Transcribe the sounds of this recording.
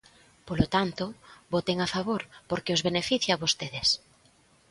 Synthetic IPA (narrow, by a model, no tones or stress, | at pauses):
polot̪ant̪obot̪eŋafaβoɾpoɾkɪozβenefiθjaβost̪eðes